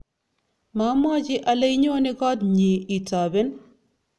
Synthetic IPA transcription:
ma˨˦mɔ˦t͡ʃɪ˦ʔa˨le˦jɲo˦nɪ˦kɔ˦tɲi˨i˨ta˨be˦n

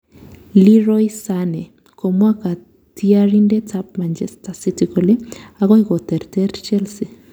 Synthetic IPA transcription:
li˦ɾɔisanɛ˨ | ko˨mwa˦ka˨ | ti˦aɾindɛ˦tʰap̚ma˨nd͡ʒɛ˦sta˨si˦tiko˨le˦aɣɔ˦ikɔ˨tɛ˨ɾtɛ˦ɾt͡ʃɛ˦lsi˨

